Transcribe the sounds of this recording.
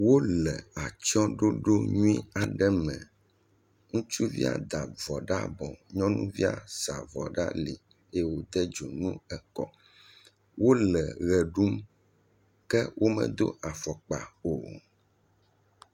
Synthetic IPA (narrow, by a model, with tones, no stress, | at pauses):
wo˦lɛ˨a˨t͡ʃɔ˦ɖo˦ɖo˦ɲũ˦ĩ˦a˨ɖɛ˦mɛ̰̃˨ | ŋũ˦t͡ʃu˦vḭ˦a̰˨d̪a˨vɔ˨ɖa̰˦bɔ˨ɲɔ̃˦nṵ̃˦vi˦a̰˨sa˨vɔ˨ɖa̰˦li˨ | e˦wo˨d̪ɛ˦d͡ʒo˨nũ˦ɛ˨kɔ˨ | wʔo˦lɛ˨ɣɛ˨ɖu˦m | kɛ˦wʔo˦mɛ̰̃˨d̪o̰˦ʔa˨fɔ˨k͡pa̰˨o˨